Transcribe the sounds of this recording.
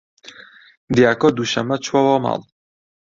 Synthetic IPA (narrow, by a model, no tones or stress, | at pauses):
d̪jakɔd̪uʃa̰mat͡ʃvɔvama̰lˠ